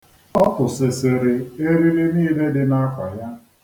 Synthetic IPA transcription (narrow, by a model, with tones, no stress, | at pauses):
ɔ˦kʊ˨sɪ˨sɪ˨ɾɪ˨e˦ɾi˦ɾi˦niː˦le˦dɪ˨na˦kʷa˨ja˦